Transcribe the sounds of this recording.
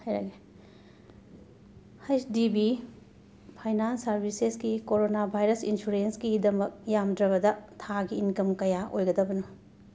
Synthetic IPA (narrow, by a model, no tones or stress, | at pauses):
hajɾa̰ɡe | hajsdibi | pʰajnansɐɾbʱisesɡikoɾonabʱajɾɐsinsuɾensɡidɐmɐk̚jamdɾɐβɐdɐtʰaɡiːnkɐmkɐjaʔojɡɐdɐbɐnu